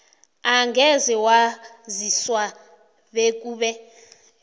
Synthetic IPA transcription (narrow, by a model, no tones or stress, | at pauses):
aŋɡʱɛzɛwaziswa | βekʼuːβɛ